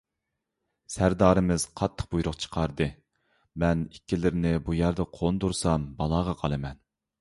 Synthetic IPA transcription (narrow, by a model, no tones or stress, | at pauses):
sæɾd̪ɑːɾɨmɪz̥qʰɑt̪ʰːə̥q̚bujɾʊqt͡ʃʰə̥qʰɑɾd̪ɨ | mɛnikʲːilɪɾɪnɪbujæɾd̪ɛqʰond̪uɾsɑmbɑlˠɑːʁɑqʰɑlˠɨmɛn